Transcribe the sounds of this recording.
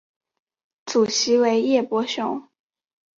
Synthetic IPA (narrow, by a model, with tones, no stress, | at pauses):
t͡su˨˩ɕi˧˥we˧˥ɪjɛ˥˩pwɔ˧˥ɕjʊ˧˥˦ŋ